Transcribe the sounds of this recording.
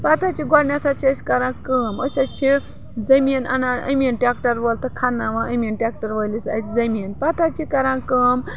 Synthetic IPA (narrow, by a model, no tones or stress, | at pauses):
pat̪at͡ʃʰiɡɔɽnʲat̪ʰat͡ʃʰiəsʲkɐɾãːkəːməsʲɐt͡ʃʰi | d͡zɐmiːnɐnaə̰minʈʲakʈɐɾʋolt̪ɨkʰanːaʋãʔəmʲinʈʲak̚ʈɐɾʋəlisɐ̰t̪ʲd͡zɐmiːnpat̪at͡ʃʰikɐɾãːkəːm